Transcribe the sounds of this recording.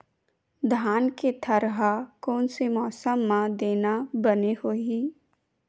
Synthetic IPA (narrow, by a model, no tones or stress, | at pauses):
d̪ʱaːnket̪ʰɐɾɦakɔːnsemɔːsəmːãd̪eːnabənehoːɦiː